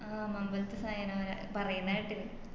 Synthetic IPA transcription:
aːmɐmbɐlɐt̪ːɐsaːjɐnɐʋɐɾa̰pɐrɐjunːaːjiʈːil

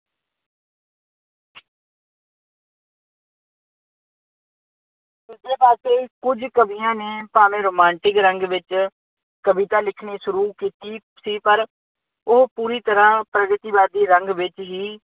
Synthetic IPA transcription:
d̪eːbaːt̪eːkʊd͡ʒkəbijãːneːpaːmẽːɾoːmãːɳʈɪkɾəŋɡʋɪt͡ʃ | kəbit̪ãːlɪkʰneːsʊɾuːkiːt̪iː | siːpəɾ | ʊɦpuːɾiːt̪əɾãːpɾəɡət̪iːʋaːd̪iːɾəŋɡʋɪt͡ʃɦiː

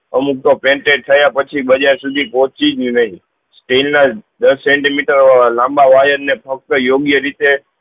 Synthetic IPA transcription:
əmuk̚t̪opẽɳʈeʈ̚t̪ʰəjapət͡ʃʰibəd͡ʒaɾsud̪ʱipɔt͡ʃid͡ʒinəĩ | sʈelnad̪əsːẽɳʈimiʈəɾlãmbaʋajənːepʰək̚t̪əjoɡjəɾit̪e

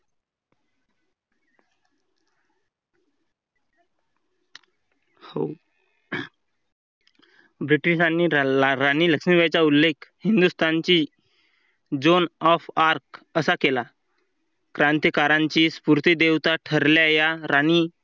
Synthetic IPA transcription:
ho | bɾiʈiɕanːiːɾaniːləkʂmiʋjat͡ɕaulːekʰhind̪ust̪ʰant͡ɕiː | d͡zonɔfaɾkəsakela | kɾãnt̪jəkaɾaɲt͡ɕiːspuɾt̪id̪eʋt̪aʈʰəɾljajaɾaniː

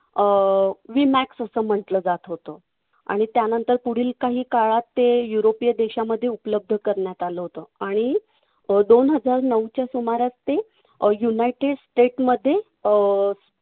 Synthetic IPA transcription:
ʋimæksəsəːm̤əɳʈləːd͡zat̪ɦot̪ə | a̰ɽ̃it̪janənt̪əɾpuɽ̤iːlkaɦiːkaɭat̪ːejuɾopijəd̪eɕaməd̪ʱːjeupləb̚d̪ʱəkəɾɳjat̪aləɦot̪əaɽ̃i | d̪onɦəd͡zaɾnəwt͡ɕjasumaɾjat͡st̪e | junajʈeɽsʈeʈməd̪ʱːje

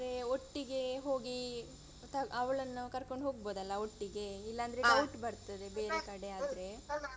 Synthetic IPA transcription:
ɾeoʈːiɡe̞ɦo̞ːɡi | t̪ɐɐʋɐɭɐnːukɐɾkoɳɖɦoːɡ̚boːd̪ɐlːɐoʈːiɡe̞ilːɐːnd̪ɐɾeɐwʈbɐɾt̪ɐd̪ebeːɾekɐɽe̞aːd̪ɐɾe̞

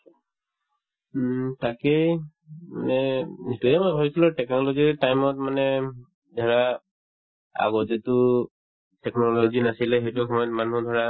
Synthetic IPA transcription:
takej | manɛnitujɛmɔjbʱabisilɔtɛknɔlɔzitajmɔtmanɛ | dʱɔɹa | a̰ɡɔtetʊ | tɛknɔlɔzinasilɛxejtuxɔmɔjɔtmanɦũdʱɔɹa

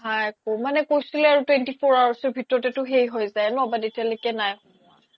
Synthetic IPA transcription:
ɦajkomanɛkojsilɛaɹutwɛntifʰoɹawasɔɹbʱitɔɹɔtɛtʊɦejɦojzajɛnʊabadetialojkɛnaj | ɔ

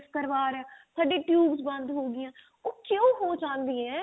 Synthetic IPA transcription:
skəɾʋaːɾsaːɖeːʈjuːbzbə̃nd̪ɦoːɡɪjãː | oːkjõːɦõːt͡ʃãːnd̪ĩɛ̃ː

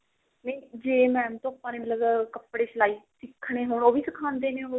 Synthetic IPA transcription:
nəiːd͡ʒeːmɛ̃ːmt̪õːapãːneːmət̪ləbkəpːɽeːt͡ʃəlaːiːsɪkʰːɽ̃eːɦoːɳoːʋiːsəkʰãːnd̪eːneːɦo

